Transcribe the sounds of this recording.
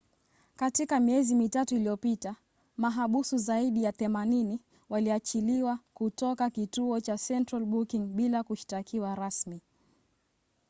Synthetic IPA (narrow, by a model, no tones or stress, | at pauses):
katikamiɛzimitatuilijɔpita | maɦaɓusuzaiɗijaθɛmanini | waliat͡ʃiliwakutɔkakituɔt͡ʃasɛntɾalɓukiŋɓilakuʃi̥takʰiwaɾasmi